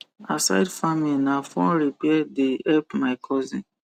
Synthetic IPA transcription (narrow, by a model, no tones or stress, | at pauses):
asa̰ɪdfamilinafɔ̃nɾipɛdeɛpmaɪkʰɔzḭ̃n